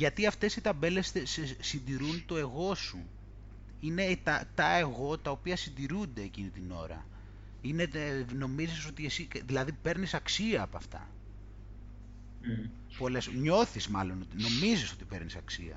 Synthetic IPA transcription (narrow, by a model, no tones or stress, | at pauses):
ʝɐt̪iɐft̪e̞sit̪ɐbe̞le̞st̪essind̪iɾunt̪o̞e̞ɣo̞su | ine̞t̪ɐt̪ɐeɣo̞t̪ɐopiɐsind̪iɾund̪e̞ːcinit̪ino̞̰ɾɐ̰ | ine̞no̞miziso̞t̪iesiðilɐðipe̞ɾnisɐksiɐːpɐft̪ɐ̰ | po̞lesɲo̞θizmɐlo̞no̞t̪ino̞miziso̞t̪i̥pe̞ɾnisɐksḭɐ̰